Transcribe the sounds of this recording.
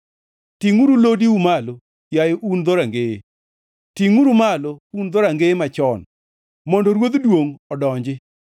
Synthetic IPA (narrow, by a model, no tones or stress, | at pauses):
tiŋuɾulodiumalo | jajoʔund̪ɔɾaŋɡe | tiŋuɾumalound̪ɔɾaŋɡemat͡ʃɔn | mɔndɔɾwod̪dwoŋɔdɔɲd͡ʒɪ